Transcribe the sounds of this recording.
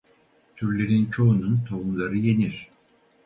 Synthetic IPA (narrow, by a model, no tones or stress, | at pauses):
t̪ʰyɾlʲe̞ɾint͡ʃʰo̞ununt̪ʰo̞umlˠaɾɯje̞niɾ̥